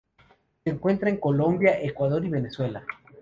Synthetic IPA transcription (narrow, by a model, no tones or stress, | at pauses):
seeːŋkwe̞nt̪ɾaeŋko̞lo̞mbjaʔekwaðo̞ɾiβe̞neswe̞la